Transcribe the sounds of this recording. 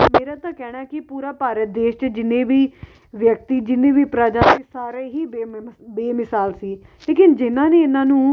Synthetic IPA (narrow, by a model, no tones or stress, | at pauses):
meːɾãːt̪ãːkɛːɽ̃aːkɪpuːɾaːpaːɾət̪̚d̪eːʃt͡ʃd͡ʒɪnːẽːʋiː | ʋjək̚t̪iːd͡ʒɪnːẽːʋiːpɾaːd͡ʒaːsiːsaːɾeːɦiːbeːmɪsaːlsiː | leːkɪnd͡ʒɪnãːneːɪnãːnũː